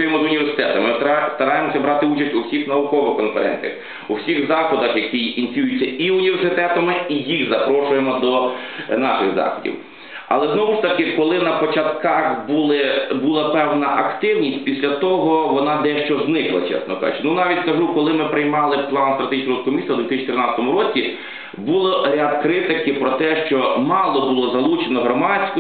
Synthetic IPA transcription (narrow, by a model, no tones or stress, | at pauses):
ʊjemɔzʊnʲiʋʲersɪ̥t̪ɛ̰t̪ɐmɪst̪ɐɾɑjemɔsʲɐbɾɑt̪ɪut͡ʃɐsʲtʲuwsʲixnɐʋʊkɔʋɪxkɔnkɛɾɛ̰nʲt͡sʲijɐ̰x | uwsʲixzɑxklɔd̪ɐxjɐkijinʲit͡sʲjujʊt͡sʲːɐiunʲiʋʲersɪt̪ɛt̪ɐmɪijiɣzɐpɾɔʃʊjemɔd̪ɔ | nɑʃɪ̰ɣzɑ̰xɔdʲḭw | ɐ̰lˠɛznɔʋʊʃt̪ɐkɪkɔlˠɪnɐpɔt͡ʃɐt̪kɑxbulˠɪbulˠɐpɛwnɐʔɐkt̪ɪwnʲisʲtʲpʲisʲlʲɐt̪ɔɦɔʋɔnɑd̪ɛʃt͡ʃɔznɪklˠɐ̰t͡ʃɛ̰snɔkʒʊ̰t͡ʃnunɑʋʲitʲkɐʒukɔlˠɪmɪpɾɪjmɑlˠɪplˠɑnst̪ɾɐt̪eiʃnɾɔd̪kʊmʲisʲɐwd̪ʋʲit̪ɪst͡ʃit̪ɾɪnɑt͡sʲət̪ɔmʊɾɔt͡sʲi | bulˠɔɾʲad̪kɾɪt̪ɪkɪpɾɔt̪ɛʃt͡ʃɔmɑlˠɔbʊlˠɔzɐlˠut͡ʃenɔɦɾɔmɑt͡sʲkʊ